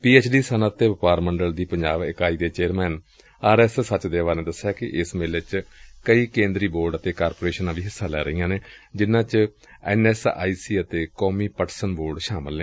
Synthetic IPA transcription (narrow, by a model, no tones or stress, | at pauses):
piːeːt͡ʃɖiːsənət̪ːeːʋɪpaːɾməɳɖəld̪iːpəɲd͡ʒaːʋɪkaːiːd̪eːt͡ʃeːɾmɛːn | aːɾɛːssət͡ʃd̪eːʋaːɾneːd̪əsːjaːkɪʔɪsmeːlet͡ʃkəiːkẽːnd̪ɾiːboːɾɖət̪eːkaːɾpoːɾeːʃənãːʋiːɦɪsːaːlɛ̰ːɾəĩjãːneːd͡ʒɪnãːt͡ʃ | ɛ̰ːnɛːsa̰ːiːsiːət̪eːkɔːmiːpəʈsənboːɾɖʃaːməlneː